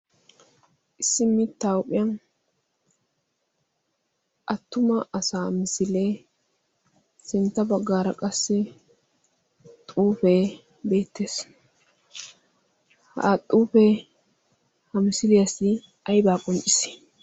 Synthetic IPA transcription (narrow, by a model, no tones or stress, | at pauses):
ʔɪsːɪmɪt̪ːawʊpʼɪjɐn | ʔɐt̪ːʊmɐʔɐsaːmɪsɪleː | sɪnt̪ːɐbɐɡːaːɾɐkʼɐsːɪ | t̪ʼuːfeː | be̞ːt̪ʰːe̞ːs | hɐ̰t̪ʼuːfe | hɐmɪsɪlɪjɐsɪ | ɐjbaːkʼɔnt͡ʃʼɪsɪ̥